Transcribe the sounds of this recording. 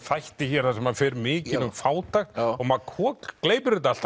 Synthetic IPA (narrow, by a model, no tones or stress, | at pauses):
fajht̪ɪçɛɾ̥θasɛmaðfɛːɾmɪːcɪnʏmfaːwt̪axt̪ɔmaðkʰɔːkkleːjpʏɾɪt̪al̥t̪